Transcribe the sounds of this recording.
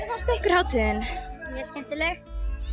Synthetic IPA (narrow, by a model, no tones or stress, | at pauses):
ɾvar̥t̪ɛhkʏɾ̥hawt̪ʰʏːðɪnmjɛɾ̥scɛm̥t̪ɪlɛx